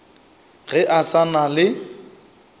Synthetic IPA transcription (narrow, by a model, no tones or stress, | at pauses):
ɣɛʔasanalɪ